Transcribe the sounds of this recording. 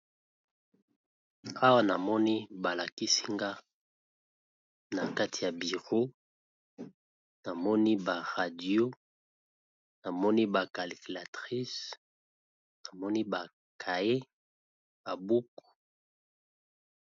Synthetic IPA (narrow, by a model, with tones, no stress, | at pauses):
a˦wa˦na˨mɔ˦ni˦ba˨la˨ki˦si˦ŋɡa˦ | na˨ka˦tʰi˨ja˨bi˨ʁo˦ | na˨mɔ˦ni˦ba˨ʁa˨djo˦ | na˨mɔ˦ni˦ba˨ka˨li˨ki˨la˨tʁi˦s | na˨mɔ˦ni˦ba˨ | kʰa˨e˦ | ba˨bu˦ku̥˨